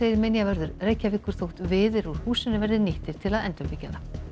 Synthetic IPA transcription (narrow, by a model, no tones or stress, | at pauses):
eːjɪɾmenjavɛɾðʏɾreːjcːavɪhkːʏɾ̥θowht̪vɪːðɪɾuɾ̥huːsɪnɪvɛɾðɪnɪht̪ɪɾ̥t̪ʰɪlaðɛnt̪œpicːaða